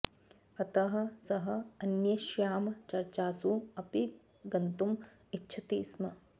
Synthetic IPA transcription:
ɐt̪ɐɦɐ̆sɐɦɐ̆ɐnjɐʃjaːmɐt͡ʃɐɾt͡ʃaːsuɐpi | ɡɐnt̪um | itːʃʰɐt̪iːsmɐ

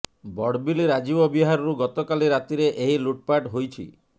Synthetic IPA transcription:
bɔɽbiliɾad͡ʒibɔbiɦaɾɔɾuɡɔt̪okaliɾat̪iɾeʔeɦiluʈ̚paʈɦojt͡ʃʰḭ

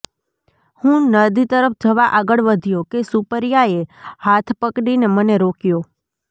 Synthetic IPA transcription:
hũnəd̪it̪əɾəp̚ʰd͡ʒəʋaʔaɡəɭʋəd̪ʱijokesupəɾjaehat̪ʰpəkɽineməneɾokjo

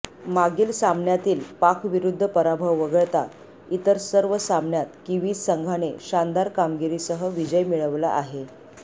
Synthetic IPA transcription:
maɡiːlsamɳjat̪iːlpakʰʋiɾud̪ʱːəpəɾabʱəʋːəɡəɭt̪a | it̪əɾsəɾʋəsamɳjat̪kiʋiːsəŋɡʱaneɕand̪aɾkamɡiɾisəɦəʋid͡ʑəjmiɭəʋla̰ʔaɦe

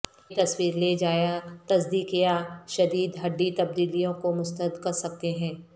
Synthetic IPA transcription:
t̪ɐswiːɾled͡ʒaːjat̪ɐsd̪iːkijaʃɐd̪iːd̪ɦɐɖːit̪ɐb̚d̪iːlijõkomʊst̪əd̪kɐɾsɐk̚t̪eɦɛ̃ː

